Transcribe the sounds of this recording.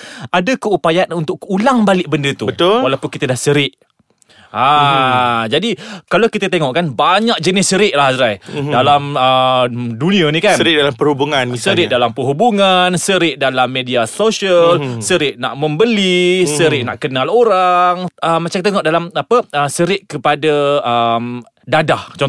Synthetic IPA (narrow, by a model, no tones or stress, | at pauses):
adakəupajaanunt̪ʊʔulaŋbalɪʔbəndət̪ubət̪ʊlwalawpʊnkit̪ədahsəɾɪʔ | a | d͡ʒadikalawkit̪ət̪eŋɔʔkanbaɲak̚d͡ʒənɪsːəɾɪʔlahazɾajdalamədunĩənĩkanəɾɪʔ̚dalampəɾhubuŋanisəɾɪʔdalampəɦubuŋansəɾɪʔ̚dalamːediasoʃəlsəɾɪʔna̰ʔmə̃mbəlisəɾɪʔna̰ʔkənaloɾaŋəmat͡ʃaŋkt̪eŋɔʔdalamapəəsəɾɪʔkəpadaəm | dadaht͡ʃɔ